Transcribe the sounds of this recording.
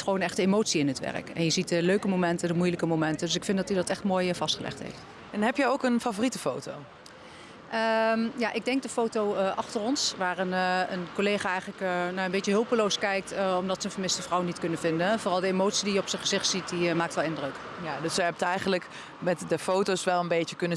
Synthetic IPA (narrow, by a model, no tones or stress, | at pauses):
tχəʋownɛχtdəemowtsiɪnətʋɛ̰rə̰kɛ̰njəzit̚dəløɥkəmomɛntədəmujləkəmomɛntədøsɪkfɪndɑtidɑtɛχtmoːjvɑstχəlʔɛ̰χtɦḛjft | ɛnɦɛpjəowkənfavoritəfo̰wtow | ʔəjaʔɪɡ̚dɛŋk̚dəfowtowəʔɑχtərɔnsʋaːrɪnənkoleːχaːɛjχələknaənbetjəɦɵlˠpəlowskɛjk̚təɔmdɑtsəənvərmɪstəvrʌwənːitkɵnəvɪndənvoːrɑlˠdəemowtsidijəɔpsəχəzɪχtsit̚dimaːk̚tʋɛlˠɪndrøk | jadøsəɦɛp̚ətɛjχənlək | mɛtdəfowtosʋɛlˠənbejəkɵnə